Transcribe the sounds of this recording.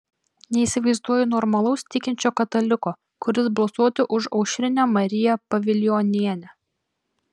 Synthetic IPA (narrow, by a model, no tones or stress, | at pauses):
nʲɛiːˑsʲɪʋɐɪzd̪uɔjɛnɔɾmɐlˠɐʊst̪ʲɪkʲɪnʲt͡ʃʲoːkɐt̪ɐlʲɪkoː | kʊɾʲɪsbɐlˠsuɔt̪ʲɪʔʊʃɐʊʃʲɾʲɪnʲæmɐɾʲɪjɛpɐʋʲɪlʲɪjɔnʲiɛnʲɛ